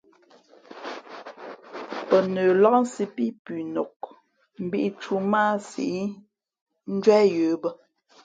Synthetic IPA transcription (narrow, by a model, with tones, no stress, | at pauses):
pə˨nəː˨lɔ˦ʔn̩˦si˦pi˦pʉ˨no˨k̚ | m̩˦bi˦ʔi˦t͡ʃu˦maː˦sḭ˨i˦ | n̩˦d͡ʒwɛ˦jəː˨˦bə˦